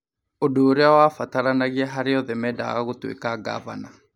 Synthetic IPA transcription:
odoːɾeawafataɾanaɣiɛɦaɾeɔðɛmɛda̰ɣaɣotwḛkaɡa̰βana

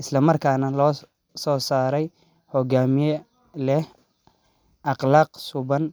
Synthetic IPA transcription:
ʔɪslɐmɐrkʰaːnɐlɔː | sɔːsaːɾɛj | hɔɡaːmɪjɔ | lɛh | ʔɑqlɑːqsʊβɐn

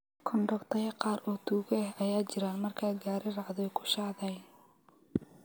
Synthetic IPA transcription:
kʰɔɳɖɔkt̪ʰɐjɐqɑːɾʔɔːt̪ʰuːɣɛɛɦɐjaːt͡ʃɪɾaːnmɐrkʰaːɡaːɾɪrɑʕðɔjkʰʊ̥ʃɑːʕðɐjn

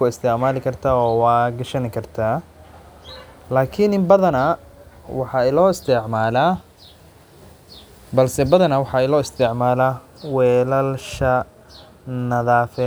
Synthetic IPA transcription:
ʊɪst̪ʰɛʕmaːlɪkʰɐrt̪ʰaːɔːwaːɡɐʃɐnɪkʰɐrt̪ʰaː | laːkʰinɪmbɐðɐnɐ | wɑħɑɛlɔːɪst̪ʰɛʕmaːlaː | bɐlsɛbɐðɐnɐwɑħɑɛlɔːɪst̪ʰɛʕmaːlaː | wɛːlɐlʃɐ | nɐðaːfɛ

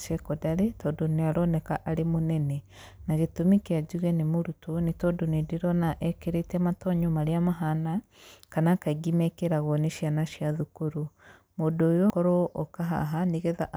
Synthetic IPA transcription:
ʃekodaɾetoːdoniaɾonekaʔaɾemonɛnɛ | naɣetumikjad͡ʒuɣɛnimuɾutonitodonediɾɔnaʔɛkeɾetɛmatɔɲomaɾiamaɦana | kanakaiɡimɛkeɾaɣoneʃianaʃjaðukuɾu | modoːjokɔɾoʔokaɦa̰ɦaniɣeðaʔ

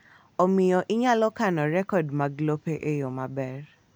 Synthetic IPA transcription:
omɪjɔʔɪɲalɔkanɔɾɛkɔdmaɡlopeʔejomabɛr

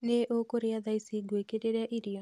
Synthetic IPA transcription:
neʔokoɾeaðaisiɡekedeɾeaʔiɾiɔ

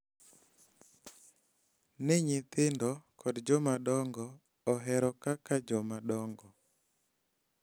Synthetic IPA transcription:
nɪɲɪt̪ɪndɔkʰɔdd͡ʒɔmaɗɔŋɡɔː | ɦɛɾɔkakad͡ʒɔmadɔŋɡɔ

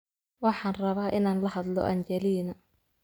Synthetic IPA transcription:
wɑħɑːnrɐβaːʔɪnaːnlɐhɐd̪lɔ̰ʔɐɲt͡ʃɛlinɐ

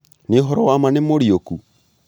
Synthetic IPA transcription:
neɦɔɾɔwamanemoɾioku

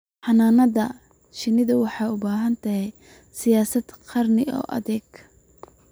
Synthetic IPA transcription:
ħɑnaːnɐðɐ | t͡ʃɪnɪðɐwɑħɑjʊbaːɦɐnt̪ʰɐɦɛj | sɪjaːsɐd̪qʰɑrnɪɔ̰ːʔɐ̰ðɛːɡ

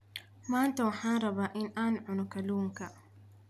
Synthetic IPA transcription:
mant̪awħanɾabaʔɪnʔanʕʊnʊkaluŋka

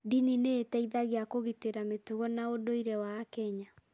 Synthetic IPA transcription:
dinineːtaiðaɣeakoɣiteɾametuɣɔnaodoiɾɛwakɛɲa

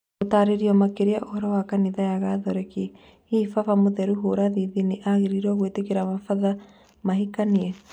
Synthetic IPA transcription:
otaːɾeɾiɔmakeɾeaʔohɔɾɔwakaniðajaɣaðɔɾɛki | ifafamoðɛɾuɦoɾaðiðiniʔaɣeɾiɾɔɣwetekeɾamafaða | maɦikaniɛ

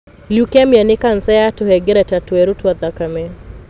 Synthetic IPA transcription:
liukɛmianikan̩sɛjatuhɛɡiɾatatuɛɾutuat̪akamɛ

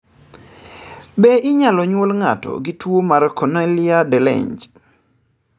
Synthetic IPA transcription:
beʔɪɲalɔɲwolŋatɔ̰ɡɪtwomarkɔnɛlɪadɛlɛ̰ɲd͡ʒ

